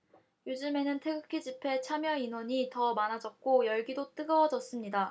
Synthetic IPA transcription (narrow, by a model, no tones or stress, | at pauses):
jod͡ʑɯme̞nɯntʰe̞ɡɯkʰid͡ʑipʰe̞t͡ɕʰamjʌinwʌɲitʌmanad͡ʑʌt̚k͈ojʌɭɡidot͈ɯɡʌd͡ʑʌs͈ɯmɲida